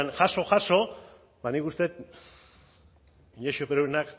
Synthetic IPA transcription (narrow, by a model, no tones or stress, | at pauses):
nʝaʃo̞ʝaso̞ | banikust̪e̞t̪ | iɲeʃopeɾoenak